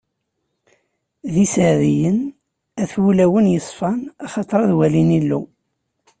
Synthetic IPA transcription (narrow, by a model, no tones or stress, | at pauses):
ðisəʕðijən | æθwulæwənjəsˤfɑnɑχɑt̪ˤɾˤɑðwælinilːṵ